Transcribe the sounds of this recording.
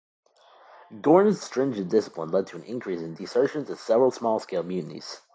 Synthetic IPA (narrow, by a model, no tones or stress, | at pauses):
ɡɔɹnɨz̥stɹ̥ɪ̃nd͡ʒɨ̃ndɪsə̥pʰlə̃nlɛd̚tʰəɨ̃nʔɪ̰̃nkʰɹ̥isɨ̃ndisɜ˞ʃɨ̃ntʌv̥sɛvɹl̩ˠsmɔlˠskeɪlˠmjʉnɨɾḭz̥